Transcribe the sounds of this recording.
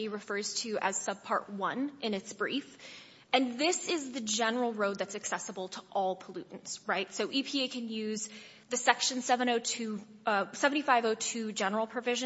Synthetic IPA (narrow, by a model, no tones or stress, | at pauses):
iɹɨfɜ˞z̥tʰɨʔɨz̥sʌb̚pʰɑ̰ɹʔ̚wʌ̃nʔɨ̃nɨtsb̥ɹif | ɨ̃nðɪsɪzðɨd͡ʒɛnə˞l̩ˠɹoʊd̪̚ðɨtsɨksɛsəbl̩ˠtʰəʔɔlˠpʰəlʉʔn̩z̥ɹaɪtsoʊʔipʰieɪkʰɨ̃njʉz | ðɨsɛkʃɨ̃nsɛvɨ̃ɾ̃oʊtʰʉsɛvɨ̃tifaɪvoʊtʰʉd͡ʒɛnə˞l̩ˠpʰɹ̥ɨvɪʒɨ̃